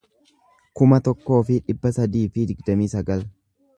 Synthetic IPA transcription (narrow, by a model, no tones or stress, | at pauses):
kʊmɐt̪ɔkːo̞ːfɪᶑɪbːɐsɐd̪iːfɪd̪ɪɡd̪ɐmiːsɐɡɐl